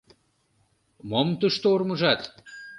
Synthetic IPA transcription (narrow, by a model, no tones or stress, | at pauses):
momt̪uʃt̪oormuʒɑt̪